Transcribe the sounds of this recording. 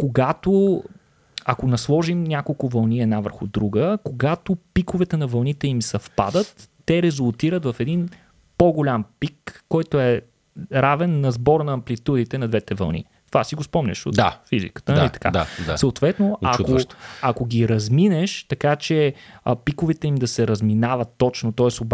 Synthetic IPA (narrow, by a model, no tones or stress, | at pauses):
koɡat̪o | ɐkonɐslˠɔʒimnʲakolˠkʊvɐlˠniɛd̪navəɾxʊd̪ɾuɡəkoɡat̪opikovɛt̪ɛnɐvɐlˠnit̪ɛimsɐfpa̰d̪ət̪ː | ɛɾɛzʊlˠt̪iɾət̪vɐfɛd̪in | poɡolʲampikːɔjt̪oɛ | ɾavɛnːɐzbɔɾnɐːmplʲit̪ud̪it̪ɛnɐd̪vɛt̪ɛvɐ̰lˠnḭ | t̪ovasiɡospɔmnʲə̰ʃo̰afizḭkə̥t̪əlit̪ɐ̥ka̰d̪aasoot̪vɛt̪noɐk̪oɐkoɡʲiɾɐzminɛʃt̪ɐkat͡ʃɛpikʊvɛt̪ɛimd̪ɐsɛɾɐzminavət̪ːɔt͡ʃnot̪ɔɛsob